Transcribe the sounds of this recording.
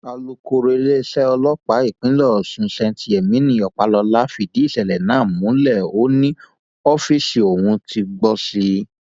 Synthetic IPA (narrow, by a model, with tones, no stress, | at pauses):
a˧lo˧ko˧ɾe˧le˦sɛ˦ɔ˧lɔ˦k͡pa˨˦i˦˨k͡pĩ˨˦lɔ˦˨sũ˨˧sɛ̃˧nti˧˦e˨mĩ˨˦nĩ˧˦˨ɔ˨k͡pa˨˦lɔ˧la˦fi˧˨di˨˦i˦˨sɛ˨lɛ˨nãː˦˨mũ˨˦lɛ˦˨o˨˦nĩ˦ | ɔ˦fi˦si˨o˨wũ˧ti˧ɡ͡bɔ˦si˧